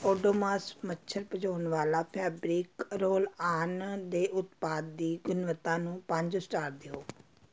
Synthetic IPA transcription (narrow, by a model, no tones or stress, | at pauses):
oːɖoːmaːsmətːʃʰəɾpəd͡ʒoːnʋaːlaːpʰɛːbɾiːkɾoːlaːnd̪eːʔʊt̪paːd̪ːiːɡʊnʋət̪ːãːnũːpə̃ɲd͡ʒsʈaːɾ̚d̪eoː